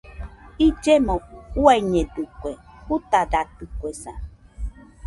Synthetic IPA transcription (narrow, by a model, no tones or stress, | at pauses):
id͡ʒemɔ̃uaiɲẽdukʷehut̪adat̪ukwesã̰